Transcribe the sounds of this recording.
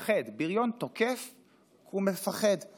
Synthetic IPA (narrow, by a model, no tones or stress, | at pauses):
χedbiʁjo̞ntokef | kumefaχed